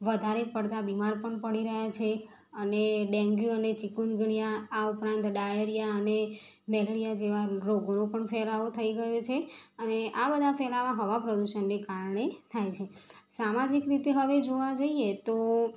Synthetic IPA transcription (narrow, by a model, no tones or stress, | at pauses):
ʋəd̪ʱaɾepəɽt̪abimaɾpəɳpəɽiɾəɦjat͡ʃʰe | əneɖɛ̃ŋɡjuənet͡ʃikunɡɳ̃ijaaupɾãnt̪ɖaeɾijaəne | mɛləɾijad͡ʒeʋaɾoɡonõpəɳfɛlaot̪ʰəiɡəjot͡ʃʰeəneʔabəd̪ʱafɛlamãɦəʋapɾəd̪uʃənːekaɾɳet̪ʰajt͡ʃʰesamad͡ʒikɾit̪eɦəʋed͡ʒoʋad͡ʒəiet̪o